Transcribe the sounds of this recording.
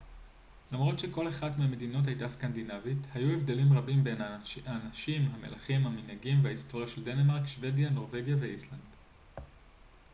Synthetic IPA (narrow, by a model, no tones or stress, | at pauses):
lamʁo̞tʃe̞ko̞leχadmeame̞dino̞t̬hajtaskandinavithajue̞vd̪e̞limʁabimbe̞naanaʃimɦame̞̰laχimhaminhaɡimveaisto̞ʁjaʃe̞lde̞nemaʁkʃve̞djano̞ʁve̞ɡjave̞island̥